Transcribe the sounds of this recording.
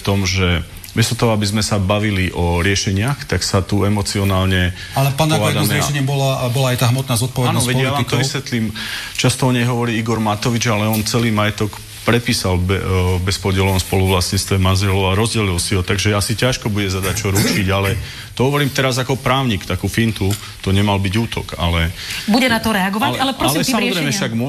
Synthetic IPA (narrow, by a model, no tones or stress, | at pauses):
t̪ɔmʒɛ | ʋɛsɔt̪ɔɦɔabizmɛsabaʋiliʔɔɾɪɛʃɛɲɪaxt̪aksat̪uɛmɔt͡siɔnaːlɲɛ | alɛpaːnʋadamɛɾɛɛɛɲɛmbɔlabɔlaajt̪aːɦmɔt̪naːzɔt̪̚pɔʋɛdanɔʋɛjaʋamt̪ɔʋisʋɛt̪liːmt͡ʃast̪ɔɔɲɛjɦɔʋɔɾiːiɡɔɾmat̪ɔʋid͡ʒalɛɔnt͡sɛliːmajɛt̪ɔk | pɾɛpiːsalbɛbɛspɔɟɪɛlɔnɔspɔluʋlasɲist̪ʋɛmazɛlɔaɾɔzɟɛlilsiɦɔt̪aɡʒɛasicaʃkɔbuɟɛzad̪ac̚t͡ʃɔɾut͡ʃiɟalɛ | t̪ɔɦɔʋɔɾiːmt̪ɛɾazakɔpɾaːʊɲiːkt̪akufint̪u | t̪ɔɲɛmalbiɟuːt̪ʰɔ̰ka̰lɛbuɟɛnat̪ɔɾɛaɡɔʋaalɛpɾɔalɛsamɔɛzɛɪmɛʃaɡmɔ